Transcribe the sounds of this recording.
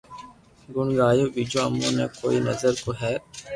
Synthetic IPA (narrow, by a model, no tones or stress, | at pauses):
ɡʊɳɡaːjoːbiːd͡ʒoːɐmːo̰ːnḛːko̰ːinɐzəɾkoɦɛː